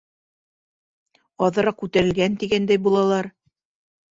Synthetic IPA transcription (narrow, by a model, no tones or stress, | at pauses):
ɑðɤ̆ɾɑq̚kʉt̪æɾɘ̆lɡænt̪iɡænd̪æjbulˠɑlˠɑɾ